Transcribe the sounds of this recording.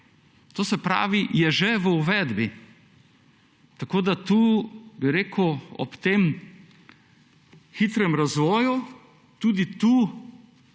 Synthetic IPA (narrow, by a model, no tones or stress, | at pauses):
t̪oːsɛpɾa̰ːʋijɛʒeʋəuʋɛd̪bi | t̪akoːd̪at̪uːbiɾeːkuɔ̰pt̪eːm | xit̪ɾɛmɾazʋɔːju | t̪ud̪it̪uː